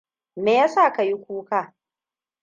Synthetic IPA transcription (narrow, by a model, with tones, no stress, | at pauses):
neː˨ja˦saː˦˨ka˨ji˦kʷuː˦ka˦˨